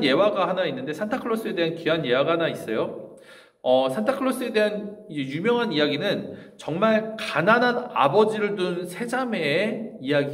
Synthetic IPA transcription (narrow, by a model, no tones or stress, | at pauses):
nje̞waɡahanainːɯnde̞sʰentʰakʰɯɭːos͈ɯe̞deɦankianje̞waɡaɦanais͈ʌjo | ʌsʰentʰakʰɯɭːos͈ɯe̞de̞ɦanid͡ʑe̞jumjʌŋɦanijaɡinɯnt͡ɕʌŋmaɭkananɦana̰bʌd͡ʑiɾɯɭdosʰe̞d͡ʑame̞ijaɡi